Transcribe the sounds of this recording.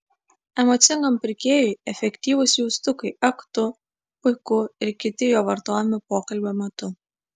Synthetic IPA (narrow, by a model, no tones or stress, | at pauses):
ɛmoːt̪sʲɪŋɡɐmpʲɪɾʲkʲeːjʊɪɛfʲɛkʲt̪ʲiːʋʊsjuːst̪ʊkɐɪɛkt̪ʊ | pʊɪkʊɪɾkʲɪt̪ʲɪjoːʋɐɾt̪oːjɛmʲɪpoːkɐlʲbʲeːmʲɛt̪ʊ